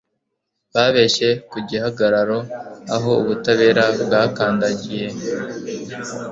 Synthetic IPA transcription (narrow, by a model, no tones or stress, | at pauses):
βaːβe̞ʃe̞kuɟihaɡaɾaɾo̞aɦo̞uβutaβe̞ːɾabɡaːkaːndaɟije̞